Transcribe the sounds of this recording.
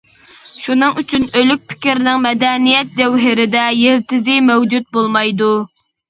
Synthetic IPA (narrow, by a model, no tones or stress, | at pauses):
ʃunɨŋyt͡ʃʰynølyk̚ʲpʰɪ̥kʲiɾɪnɪŋmɛd̪ɛnijɛt̪̚d͡ʒɛwɦɪɾɪd̪ɛjeɾt̪ɪzɪmɛwd͡ʒut̪̚bolˠmɑjd̪u